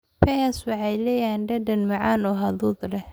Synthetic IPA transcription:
pʰɛswɑħɑjlɛjaːnɖɐdɐnmɑʕɑːnɔːɦɐðudlɛ

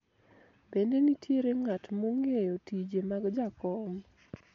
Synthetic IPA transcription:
bendenitʰjeɾeŋatmoŋejotid͡ʒemaɡd͡ʒakɔm

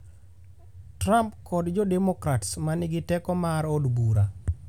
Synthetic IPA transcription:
tɾampkɔdd͡ʒɔdɛmokɾatsmanɪɡɪtɛkɔmaɾodbuɾa

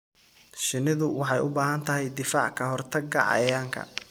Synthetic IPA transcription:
ʃɪnɪðʊwɑħɑjʊbaːɦɐnt̪ʰɐɦɛjd̪ɪfaːʕkʰɐɦɔrt̪ʰɐɡɐ̰ʕɑ̰jaːŋkʰɐ̰

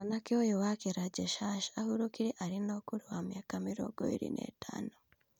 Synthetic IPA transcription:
anakiojowakeɾaɟeʃaʃahuɾokiɾiʔaɾinokuɾuwamjakamiɾo̰ɡo̰ḭɾḭnʔḛtʰa̰nu

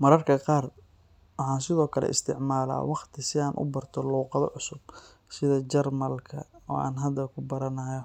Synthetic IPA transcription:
mɐɾɐrkʰɐqɑːr | wɑħɑːnsɪðɔːkʰɐlɛ̰ʔɪ̰st̪ʰɪʕmaːla̰ːwɑqt̪ʰɪsɪaːnʔʊ̰bɐrt̪ʰɔluːqɑðɔ̰ʕʊsʊb̚ | sɪðɐt͡ʃɛrmɐlkʰɐɔːa̰ːnɦɐd̪ɐkʰʊbɐɾɐnaːjɔ

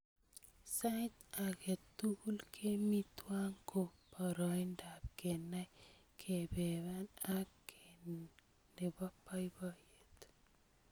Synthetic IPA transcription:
sajt̪aket̪ːuɡulkʰemit̪waŋkʰopaɾɔjndap̚kenajkʰebeβanakːe | ndebapːajbajet̪

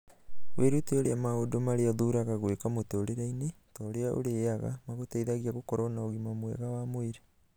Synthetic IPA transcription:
wʔeɾuteoɾeamaodomaɾeaðuɾaɣaɣwekamotoːɾeɾaine | tɔɾeaʔo̰ɾeaɣa̰maɣotɛiðaɣiaɣokɔɾɔnaoɣimamwɛ̰ɣawamweɾe

